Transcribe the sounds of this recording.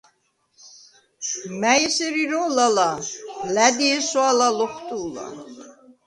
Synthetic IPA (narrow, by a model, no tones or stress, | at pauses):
mæjɛsɛɾiɾɔlalalæd̪iɛsɔalalɔχt̪ʼuːla̰